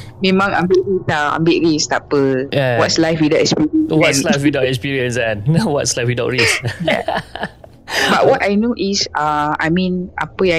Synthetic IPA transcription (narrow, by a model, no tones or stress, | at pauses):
mẽmãŋã̰mbiʔɹisaã̰mbiʔɹist̪apəjɛwɔtslajfwidaʊʔɛkspiɹiə̃nwɔtslajfwidaʊtɛkspiɹiə̃nsɛ̃nnawɔtslajfwidaʊʔɹisja̰ | baʔ̚wɔtajnoʔisãa̰jmĩnʔa̰pəa